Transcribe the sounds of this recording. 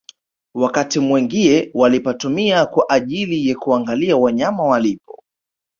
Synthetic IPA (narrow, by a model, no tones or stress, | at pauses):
wakatimwɛŋɡiɛwalipatumiakwaʔaʄilijakuaŋɡaliawaɲamawalipɔ